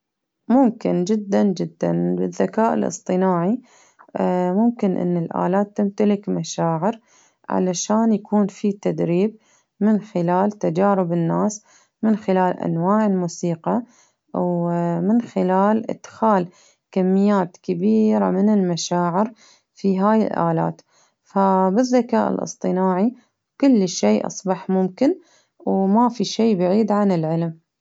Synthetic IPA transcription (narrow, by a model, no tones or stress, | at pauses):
mʊmkɪnd͡ʒɪd̪ːand͡ʒɪd̪ːa̰nbɪðːakaːʔɪ̰lʔɨ̰sˤt̪ˤɨnaːʕi | mʊmkɪnʔɪ̰nːɪlʔa̰ːlaːt̪ːɪmt̪alɪkmaʃaːʕɪɾ | ʕa̰laʃaːnjakuːnfit̪ad̪ɾiːb̚ | mɪnxɪlaːlt̪ad͡ʒaːɾɪbɪnːaːs | mɪnxɪlaːlʔa̰nwaːʕɪlmuːsiːqɑ | wmɪnxɪlaːlʔɪ̰d̪̥xaːl | kamːɪjːaːt̪kabiːɾa̰mɪnɪlmaʃaːʕɪɾ | fiɦaːjɪ̰lʔa̰ːla̰ːt̪ | fabɪðːakaːʔɪ̰lʔɨ̰sˤt̪ˤɨnaːʕi | kʊlːʃeːʔɑ̰sˤbɑħmʊmkɪn | wmafiʃeːbaʕiːd̪ʕanɪlʕɪlm